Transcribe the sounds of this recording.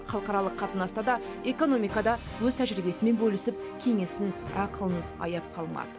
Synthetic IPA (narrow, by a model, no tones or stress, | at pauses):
χɑlˠəqɑɾɑlˠəqʰːɑt̪ənɑst̪ɑd̪ɑe̞ko̞no̞mijkɑd̪ɑ | wɵzt̪ʰæʒɪɾɪbe̞sɪme̞nbɵlɪsɪp̚ | kʲʰe̞ŋe̞sɪnɑqəlˠənɑ̰jɑp̚qʰɑlˠmɑ̰d̪ə